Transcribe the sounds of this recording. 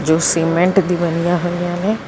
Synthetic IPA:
d͡ʒoːseːmẽɳʈd̪ibɐnijaɦʊ̃nd̪ijanẽ

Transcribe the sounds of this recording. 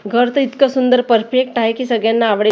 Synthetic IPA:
ɡʱəɾt̪əit̪kəsund̪əɾpəɾfekʈaɦekiːsəɡɭjanːaːʋɽe

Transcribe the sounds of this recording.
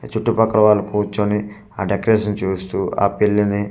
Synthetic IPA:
t͡ʃuʈːupɐkɾɐʋaːlɐkuːt͡ʃːoni | aːɖekɾeːʂɐnt͡ʃuːst̪uːa̰ːpilːini

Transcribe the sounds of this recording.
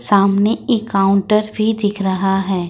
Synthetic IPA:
saːmneekaːʊ̃ɳʈəɾbʱid̪ɪkʰɾɐɦaɦɛː

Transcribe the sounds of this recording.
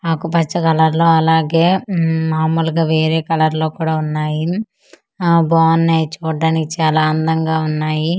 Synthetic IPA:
akupɐt͡ʃːɐkɐlɐɾlo̞ːɐlaːɡe̞ːmaːmuːlɡaːʋeːɾe̞ːkɐlɐɾlo̞ːkuːɽaːunːaːji | baːnːeːt͡ʃuːɖːɐnikit͡ʃaːlaːɐnd̪ɐŋɡaːunːaːji

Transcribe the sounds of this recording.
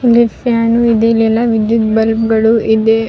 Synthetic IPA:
ilifjaːnuid̪eilɛlːɐʋid̪jut̪bɐlpɡɐɭuʔid̪e

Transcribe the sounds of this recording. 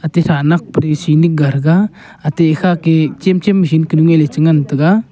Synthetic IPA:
at̪eɾanak̚pɾisinik̚ɡaɾɡa | at̪eːkʰaket͡ʃemt͡ʃemːis̬inkːinuŋelet͡ʃɯŋant̪ɯɡa

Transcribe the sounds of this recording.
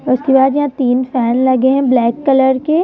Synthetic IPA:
ʊst̪ibaːd͡ʒjɐɦãt̪iːnfɛːnlɐɡeɦɛ̃blɛːkːɐləɾke

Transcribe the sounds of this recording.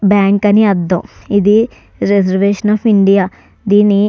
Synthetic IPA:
bɛːŋkɐniɐd̪ːõ̰ːid̪i | ɾezəɾʋeːʃənaːpʰiɳɖijaː | d̪ini

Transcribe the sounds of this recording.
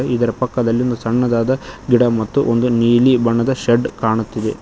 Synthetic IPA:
eid̪ɐɾɐpɐkːɐd̪ɐlːijond̪usɐɳːɐd̪aːd̪ɐɡiɽɐmɐt̪ːuʔond̪uniːlibɐɳːɐd̪ɐʃeɖkaːɳut̪ːid̪e

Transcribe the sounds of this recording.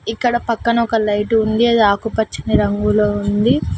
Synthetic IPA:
ikːɐɽɐpɐkːɐnɐɔkɐlɐjʈund̪iɐd̪iaːkupɐt͡ʃːiniɾɐŋɡuloːund̪i

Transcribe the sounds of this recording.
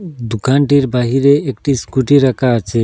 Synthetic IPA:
d̪ukanʈiɾbaɦiɾeːkʈiskuʈiɾakʰaːt͡ʃʰe

